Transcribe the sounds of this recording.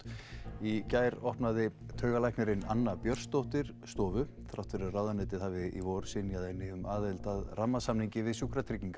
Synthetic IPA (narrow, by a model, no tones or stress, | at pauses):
icaːjɾɔhpnaðɪt̪ʰœːɥɣalajknɛɾɪnanːapjœr̥st̪owht̪ɪɾ̥st̪ɔːvʏ | θɾawt̪fɪɾʏrawðanɛt̪ɪðhaːvɪḭvowɾsɪnjaðɛnːɪʏmʔaːðɛlt̪aðramːasamniɲcɪvɪðsuːkɾat̪ʰɾiciŋka